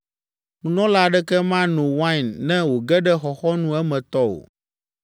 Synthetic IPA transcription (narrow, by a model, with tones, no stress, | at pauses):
nũ˨nɔ̃˦la˦ɖɛ˦kɛ˦mã˦nõ˨wã˦˨nːɛ̃˦wo˨ɡɛ˦ɖɛ˦xɔ˨xɔ˦nũ˦ɛ˦mɛ̃˨t̪ɔ˦o̰˨